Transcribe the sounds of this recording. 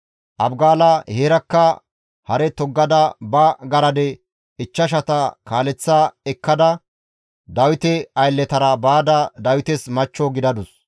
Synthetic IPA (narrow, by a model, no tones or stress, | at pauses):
ʔɐbɡaːlɐheːɾɐkːɐ | hɐɾɛt̪ɔɡːɐd̪ɐbɐɡɐɾɐd̪ɛ | ɪt͡ʃːɐʃ̬ɐt̪ɐkaːlɛt͡sːaːɛkːɐd̪ɐ | d̪ɐwɪt̪ɛɐjlːɛt̪ɐɾɐbaːd̪ɐd̪ɐwɪt̪ɛsmɐt͡ʃːɔɡɪd̪ɐd̪ʊs